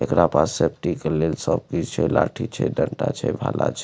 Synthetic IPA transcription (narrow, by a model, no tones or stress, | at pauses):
ekɾapassep̚ʈikelelsəb̚kit͡ʃʰɛlaʈʰit͡ʃʰɛdəɳʈa̰t͡ʃʰɛbʱala̰t͡ʃʰɛ